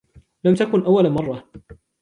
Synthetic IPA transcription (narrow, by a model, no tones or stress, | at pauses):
lamt̪akʊnʔawːalamɑrˤːɑ